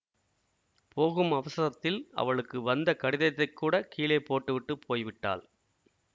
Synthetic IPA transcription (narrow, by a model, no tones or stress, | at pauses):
poːɣɯmɐʋɐsɐɣɐt̪ːɪlɐ̰ʋɐɭɯkːɯʋɐnd̪ɐkɐɽɪðɐt̪ːɐɪkːuːɽɐkʰiːleːpːoːʈːɯʋɪʈːɯpʰoːjʋɪʈːa̰ːl